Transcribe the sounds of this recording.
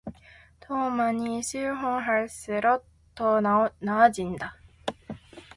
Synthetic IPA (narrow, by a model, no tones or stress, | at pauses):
t̪ʰoːmaɲ̟iɕɨːɦõŋɦaɾɯ̟sɨɾotː | onaad͡ʑĩnd̪a